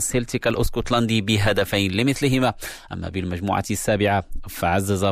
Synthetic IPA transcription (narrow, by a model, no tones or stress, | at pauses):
selt̪ɪkalʔʊskut̪lɑnd̪ibɪɦad̪afajnlɪmɪθlɪɦɪmaʔæ̰mːæ̰bɪlmæʒmṵːʕa̰sːaːbɪʕafaʕazːaza